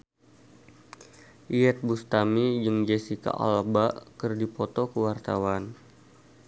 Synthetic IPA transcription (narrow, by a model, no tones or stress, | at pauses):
ʔiɛt̪̚bust̪amid͡ʒɨŋd͡ʒɛsika̰ʔɔ̰lbakɨrdipɔt̪ɔkəwart̪awan